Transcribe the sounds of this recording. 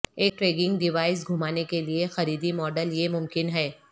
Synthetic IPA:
eːk̚ʈɾeːɡɪ̃ŋɡɖɪʋaːɪs̬ɡʱʊmaːnekeliexɐɾiːd̪imɔːɖəljemʊmkɪnɦɛː

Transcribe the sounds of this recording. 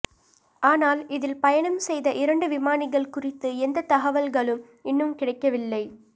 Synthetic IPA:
aːnaːlɪðɪlpɐjɐɳɐmsɛjðɐʔɪɾɐɳɖɯʋɪmaːnɪɣɐɭkʊrɪt̪ːɯɛnd̪ɐt̪ɐɣɐʋɐlɣɐɭɯm | ɪnːɯmkɪɽɐɪkːɐʋɪlːɐɪ

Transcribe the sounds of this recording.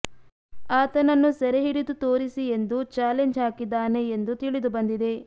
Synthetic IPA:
aːt̪ɐnɐnːusɛɾeɦiɽid̪ut̪o̞ːɾisie̞nd̪ut͡ʃaːle̞ɲd͡ʒɦaːkid̪ːaːne̞ːnd̪ut̪iɭid̪ubɐnd̪id̪e̞

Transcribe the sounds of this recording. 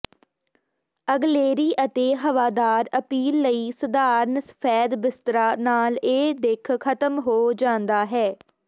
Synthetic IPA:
əɡleːɾiːʔət̪eːɦəʋaːd̪aːɾəpiːlːəiːsəd̪aːɾnsə̥pʰɛːd̪bɪst̪ɾaːnaːleːd̪ekʰkʰət̪əmɦoːd͡ʒãːnd̪aːɦɛː

